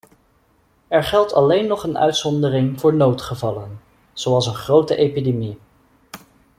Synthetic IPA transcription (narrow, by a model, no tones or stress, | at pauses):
ɛɹχɛlˠtɑ̰lejnːɔχənœ̰ɥtsɔndərɪŋvʊːɹnowtχəvɑlən | z̥owɑlˠsənχrowtəʔejpidemi